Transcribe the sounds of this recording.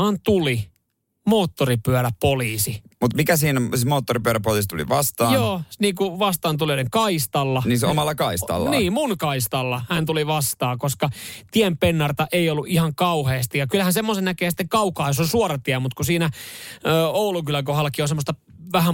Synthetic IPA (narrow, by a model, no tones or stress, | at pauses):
ɑnt̪uli | moːt̪ːoripyæɾæpoliːsimut̪mikæsiːnsimoːt̪ːoripyæɾæpoliːˑst̪ulḭʋɑst̪ɑːjoːniːkuʋɑst̪ɑːnt̪ulioleŋkɑist̪ɑlːɑniːnsomɑlːɑkɑisɑ̰lːɑniːmunkɑist̪ɑlːɑhænt̪uliʋɑst̪ɑːkoskɑt̪iɛmpenːɑrt̪ɑʔeiolːuʔihɑŋkɑuheːst̪ijɑkylhænsemːosennækeːsi̥t̪ːeŋkɑukɑːjosonsuorɑt̪iæmut̪kusiːnæøːoulukylækohɑlːɑkionsemːˑost̪ɑ | ʋæhæ